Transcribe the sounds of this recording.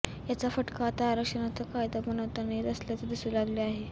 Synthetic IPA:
jat͡safəʈkaːt̪aːɾəkʂənat͡səkajd̪abənəʋt̪anet̪əsljat͡səd̪isuːlaɡleaɦe

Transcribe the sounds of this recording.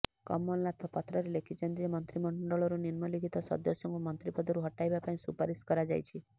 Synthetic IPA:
kɔ̰mːɔllat̪ʰɔpat̪ɾɔɾelekʰit͡ʃʰɔnt̪iemɔnt̪ɾimɔɳɖɔɭɔɾuniɾmɔlikʰit̪ɔsɔ̰d̪ɔsjɔŋkumɔnt̪ɾipɔd̪ɔɾuɦɔʈajbapaĩsupaɾiskɔɾad͡ʒa̰jt͡ʃʰi

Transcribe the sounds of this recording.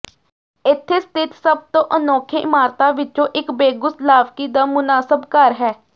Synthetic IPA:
ɪt̪ʰːeːst̪ʰɪt̪səbt̪õːʔənɔːkʰeʔɪmaːɾt̪aːʋɪt͡ʃõːʔɪkbeːɡʊslaːʋkiːd̪aːmʊnaːsəbkəɾɦɛː

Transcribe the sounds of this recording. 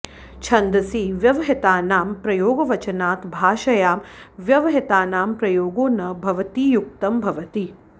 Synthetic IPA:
t͡ʃʰɐnd̪ɐsiːʋjɐʋɐɦit̪aːnaːmpɾɐjoːɡɐʋɐt͡ʃɐnaːt̪bʱaːʃɐjaːmʋjɐʋɐɦit̪aːnaːmpɾɐjoːɡoːnɐbʱɐʋɐt̪iːjuk̚t̪ɐmbʱɐʋɐt̪i

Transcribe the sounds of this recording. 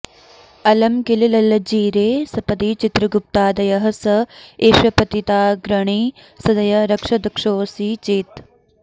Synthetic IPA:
ɐlɐmkililɐlɐd͡ʒiːɾeːsɐpɐd̪iːt͡ʃɪt̪ɾɐɡʊp̚t̪aːd̪ɐjɐɦɐ̆sɐeːʃwɐpɐt̪it̪aːɡɾɐɳ̃iː | sɐd̪ɐjɐɾɐkʂɐd̪ɐkʃoːsiːt͡ʃeːt̪

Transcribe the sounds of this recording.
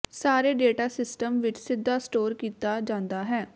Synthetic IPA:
saːɾeːɖeːʈaːsɪsʈəmʋɪt͡ʃsɪd̪ːaːsʈoːɾkiːt̪aːd͡ʒãːnd̪aːɦɛː

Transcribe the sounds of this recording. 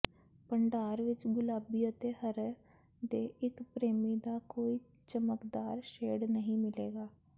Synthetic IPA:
pəɳɖaːɾʋɪt͡ʃɡʊlaːbiːət̪eːhəɾ | d̪eːʔɪkpɾeːmiːd̪aːkoːiː | t͡ʃəməkd̪aːɾʃeːɽnəɦĩːmɪleːɡaː

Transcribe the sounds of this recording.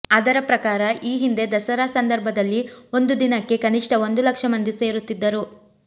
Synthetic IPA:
ɐd̪ɐɾɐpɾɐkaːɾɐʔiːɦind̪e̞d̪ɐsɐɾasɐnd̪ɐɾbʱɐd̪ɐlːio̞nd̪ud̪inɐkːe̞kɐniʂʈɐo̞nd̪ulɐkʂɐmɐnd̪ise̞ːɾut̪ːid̪ːɐɾu

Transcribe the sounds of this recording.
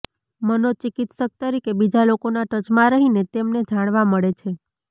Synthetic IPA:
mənot͡ʃikit̪sək̚t̪əɾikebid͡ʒalokonaʈət͡ʃmãɾəɦinet̪emned͡ʒaɽ̃ʋaməɭet͡ʃʰe

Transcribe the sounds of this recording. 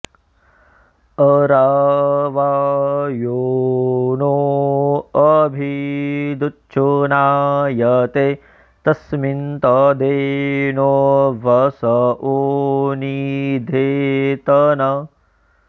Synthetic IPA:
ɐɾaːʋaːjoː | nuo | ɐbʱid̪utːt͡ʃunaːjɐt̪e | t̪ɐsmint̪ɐd̪eːnoʋɐsɐʔonid̪ʱeːt̪ɐnɐ

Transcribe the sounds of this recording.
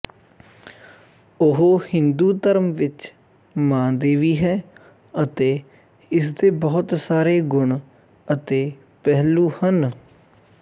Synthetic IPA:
ʊɦoːhɪnd̪uːt̪əɾəmʋɪt͡ʃ | mãːd̪eːʋiːɦɛː | ət̪eː | ɪs̬d̪eːbɔːʊt̪saːɾeːɡʊɳ | ət̪eː | pɛɦluːhən

